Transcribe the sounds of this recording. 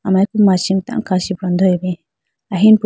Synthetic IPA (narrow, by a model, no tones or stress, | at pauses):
amajkumaʃimt̪a̰ŋkaʃipɾond̪oebi | aɦinp